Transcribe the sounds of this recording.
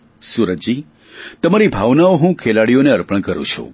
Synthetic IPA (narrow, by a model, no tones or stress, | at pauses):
suɾət̪̚d͡ʒi | t̪əmaɾibʱaʋnaoɦũkʰelaɽijoneəɾpəɳ̃kəɾṵ̃t͡ʃʰṵ̃